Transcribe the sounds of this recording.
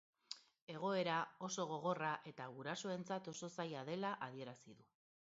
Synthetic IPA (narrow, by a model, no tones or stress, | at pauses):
e̞ɣ̞o̞e̞ɾao̞so̞ɣ̞o̞ɣ̞o̞raʔe̞t̪aɣuɾaso̞e̞nt͡sat̪o̞so̞sajaðe̞laʔaðie̞ɾasiðu